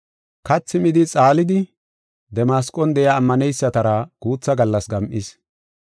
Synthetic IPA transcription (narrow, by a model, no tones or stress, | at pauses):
kɐt͡sːɪmɪd̪ɪt͡sʼaːlɪd̪ɪ | d̪ɛmaːskʼɔnd̪ɛjaːmːɐnɛjsːɐt̪ɐɾɐɡ̥uːt͡sːɐɡɐlːɐsɡɐmʔis